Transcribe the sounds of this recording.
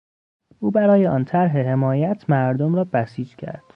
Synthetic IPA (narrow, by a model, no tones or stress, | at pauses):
ʔuːbæɾɒːjeɒ̰nt̪ʰæɾɦeɦe̞mɒːjæt̪ʰmæɾd̪omɾɒːbæsiːd͡ʒcʰæ̰ɾd̪̥